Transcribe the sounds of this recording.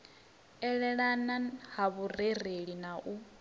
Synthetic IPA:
ɛɺɛɺanahaβurereɺinaʔu

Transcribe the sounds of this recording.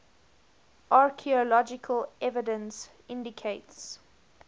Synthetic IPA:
ʔɑɹkʰiəlɔd͡ʒɪkʰəlʔɛvɪdə̃ns | ɪ̃ndɪkʰeɪts

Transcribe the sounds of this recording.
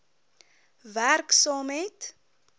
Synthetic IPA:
værksɑːmɦɛjt

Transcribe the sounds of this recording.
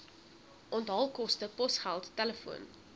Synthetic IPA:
ʔɔntɦɐlˠkɔstəpɔsχælˠtːæləfṵən

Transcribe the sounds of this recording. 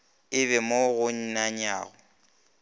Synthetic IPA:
ɪbɛmoɣʊɲ̩naɲa̰ːɣʊ

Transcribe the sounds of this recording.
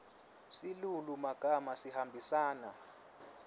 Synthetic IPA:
silulumaɡ̥ʱamasihambʱisaːna

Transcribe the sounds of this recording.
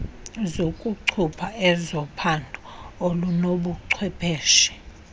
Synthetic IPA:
zokʼuǀʰupʰaɛzɔpʰandʱuolunoɓuǀʰwɛpʰɛːʃɛ̥

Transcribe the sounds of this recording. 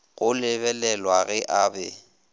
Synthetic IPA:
ɣʊlɪβɛlɛlwaɣɪʔabɛ

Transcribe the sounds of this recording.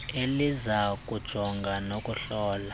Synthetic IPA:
elizak̬ʼud̥ʒ̥ʱɔŋɡʱanokʼuɬɔːla

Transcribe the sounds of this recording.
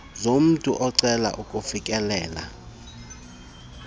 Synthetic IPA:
zom̩tʼuʔɔǀɛla̰ʔukʼufikʼɛlɛːla̰

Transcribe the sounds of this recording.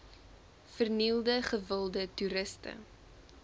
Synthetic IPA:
fərnilˠdəχəvəlˠdətuɾəstə̰

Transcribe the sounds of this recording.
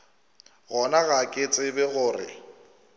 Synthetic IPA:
ɣɔnaɣakʼɪt͡sʼɪbɛɣʊːrɪ̰

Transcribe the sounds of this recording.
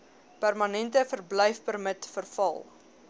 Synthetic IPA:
pærmɐnɛntəfərblɛjfpərmətfərfɐ̰lˠ

